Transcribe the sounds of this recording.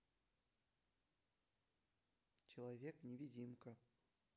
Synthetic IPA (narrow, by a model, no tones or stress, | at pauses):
t͡ɕɪlˠavʲeknʲɪvʲid͡zʲimkɐ